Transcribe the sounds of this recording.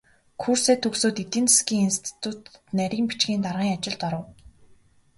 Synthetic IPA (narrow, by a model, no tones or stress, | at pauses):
kʰuːrseːt̪ʰːɵksoːt̪it̪iːnt͡s̪ʰskiːŋinst̪ʰi̥t̪ʰut̪næɾʲiːmpit͡ɕɡʲiːnt̪arʁiːŋat͡ɕɪ̆ɮt̪ɔɾə̆w